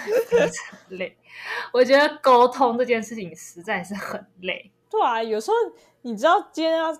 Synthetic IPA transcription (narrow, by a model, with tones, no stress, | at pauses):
ʈ͡ʂə˨˩le˥˩ɪwɔ˨˩t͡ɕɥɛ˧˥d̪ə˧ko˥ʊt̪ʰʊ˥ŋʈ͡ʂɤ˥˧t͡ɕjɛ˥˧nʂɻ̩˥˩t͡ɕʰi˨˩ŋʂɻ̩˧˥t͡sa˥˧ɪʂɻ̩˥˩xə˨˩nle˥˩ɪ | t̪we˥˩a˧˩jo˨˩ʊʂɻ̩˧˥xo˥˩ʊ | ni˨˩ʈ͡ʂɻ̩˥ɑ˥˩ʊt͡ɕɛ˥n˥a˥